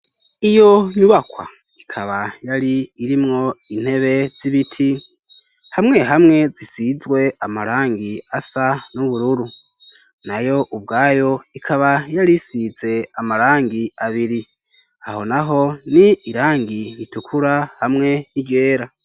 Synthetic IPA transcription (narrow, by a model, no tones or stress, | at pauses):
ijo̞ɲuβakwa̰ | ikʰaβajaɾiːɾimŋo̞in̥he̞βe̞z̥iβitʰi | hamŋe̞ɦamŋe̞zisizwe̞amaɾaːŋɡiasanuβuɾuɾu | najo̞ʔubɡaːjo̞ikʰaβajaɾisize̞amaɾaːŋɡiaβiɾi | aho̞naɦo̞niːɾaːŋɡiɾitukʰuɾahamŋe̞nije̞ːɾa